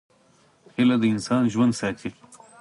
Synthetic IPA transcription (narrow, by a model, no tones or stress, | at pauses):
xilad̪əɪnsɑːnʒwɐnd̪saːt͡ɕi